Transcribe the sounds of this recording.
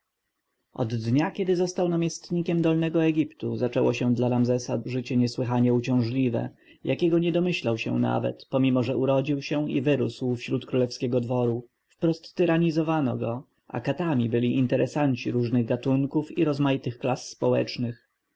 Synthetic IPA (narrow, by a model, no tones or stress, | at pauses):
ʔɔ̰d̪ːɲakʲɛd̪ɘzɔst̪awnamʲjɛst̪ɲikʲɛmd̪ɔlnɛɡɔɛɡʲipt̪uzat͡ʂɛwɔɕɛd̪laɾamzɛsaʐɘt͡ɕɛɲɛswɘxaɲɛut͡ɕɔ̃w̃ʐlʲivɛ̰ | jakʲɛɡɔɲɛd̪ɔmɘɕlawɕɛ̰̃na̰vɛ̰t̪pɔmʲimɔʐɛʔuɾɔd͡ʑiwɕɛḭvɘɾuswfɕɾut̪kɾulɛfskʲɛɡɔd̪vɔɾu | fpɾɔst̪ːɘɾaɲizɔvanɔ̰ɡɔ | a̰kat̪amʲibɘlʲiʔint̪ɛɾɛsaɲt͡ɕiɾuʐnɘɣɡat̪uŋkufiɾɔzmajit̪ɘxklasːpɔwɛ̰t͡ʂnɘx